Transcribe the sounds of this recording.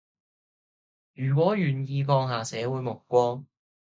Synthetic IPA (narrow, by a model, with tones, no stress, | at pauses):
jyː˨˩k̬ʷɔː˨˥jyː˨˩njiː˧kɔː˧ŋɦaː˨sɛː˨˥wuː˨˥jmʊ˨˩kːʷɔː˥ŋ